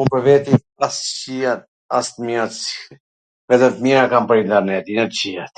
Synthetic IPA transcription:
unpəɾvɛt̪i | ast͡ʃiat̪̚ | a̰st̪miɾat̪si̥ | vɛt̪ɛt̪miɾakampəɾint̪ɛɾnɛt̪inɛt̪t͡ɕiat̪

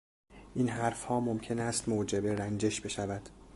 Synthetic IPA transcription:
ʔiːnɦæɾfhɒːmomcʰe̞næst̪moːd͡ʒebe̞ɾænd͡ʒe̞ʃbe̞ʃævæd̪̥

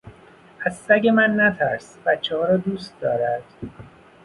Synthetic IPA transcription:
æzːæɟe̞mænːæt̪ʰæɾsbæt̪t͡ʃʰːehɒːɾɒːd̪uːst̪d̪ɒːɾæd̪̥

